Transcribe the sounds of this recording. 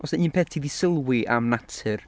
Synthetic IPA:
ɔsɛnɨːnpʰɛtʰiðisɪlˠwɪʔa̰mnatʰɨr

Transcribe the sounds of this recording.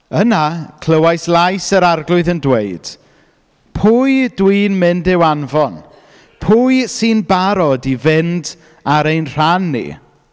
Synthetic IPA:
ənakʰl̥əwajslˠajsəɾarɡlˠʊɨðəndweɨd̥ | pʰujdwiːnmɪndɪwanvɔn | pʰujsinbaɾɔdivɪnd | aɾejnr̥anːḭ

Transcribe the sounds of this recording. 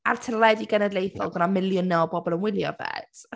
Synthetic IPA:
a̰rtʰəlɛdiɡɛnɛdlejθɔ̰lˠɡənamɪlˠjʊnːɛlˠbɔbɔlˠənwɪlˠjɔ̰vɛ̰d̥

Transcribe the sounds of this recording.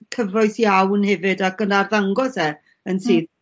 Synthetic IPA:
kʰəvɔɨθjawnhɛvɨdakənarðaŋɡɔsɛ | ənsiː

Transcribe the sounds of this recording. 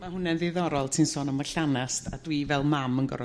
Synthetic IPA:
mahʊnɛnðɪðɔɾɔlˠtʰinsɔːnəmaɬanastʰadwivɛlˠmamənɡɔ̰ɾɔ

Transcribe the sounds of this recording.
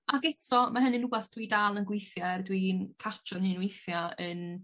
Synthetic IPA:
aɡɛtʰɔmaɦənɨnubaθd̥widaːlˠənɡwɪjθjardwinkʰat͡ʃʰɔnhɨːnwɪjθjaən

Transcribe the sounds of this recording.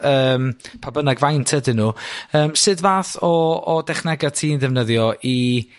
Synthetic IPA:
əːmpʰabənaɡvajntʰədɪnuːəːmsɨdvaːθɔɔdɛχnɛɡatʰiːnðɛvnəðjɔʔi

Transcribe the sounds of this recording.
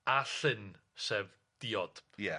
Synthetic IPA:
aɬɨn | seːv | d̥iːɔd̥jɛ

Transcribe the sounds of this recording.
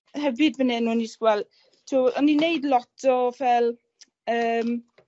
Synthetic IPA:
hɛvɨdvənɛnuːnisɡwɛlˠ | tʰuɔninejdlɔtʰɔvɛlˠ | əːm

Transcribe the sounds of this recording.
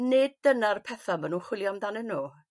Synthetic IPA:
ned̚d̥ənarpʰɛθamənunχwɪlˠjɔmdanɛnːuː

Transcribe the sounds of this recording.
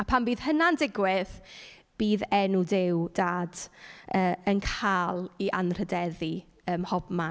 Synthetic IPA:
apʰambiːð̥hənandɪɡwɪð | b̥iːðɛnudɪwdaːdəːənkʰaːlˠiʔanr̥ədɛði | əːmhɔbma

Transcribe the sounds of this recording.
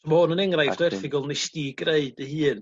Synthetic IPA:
ɔmahʊnənɛŋrajv̥d̥ɔɛrθɪɡʊlˠnɪstiɡreɨdəhɨːn

